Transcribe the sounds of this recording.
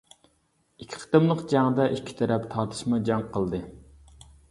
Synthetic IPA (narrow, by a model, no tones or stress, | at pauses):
ikʲʰːɪ̥qʰə̥t̪ɨmlˠəqd͡ʒæŋd̪ɑʔikʲʰːi̥t̪ʰɛɾɛpt̪ʰɑɾt̪ʰɨ̥ʃmɑd͡ʒɑŋqʰəlˠd̪ɨ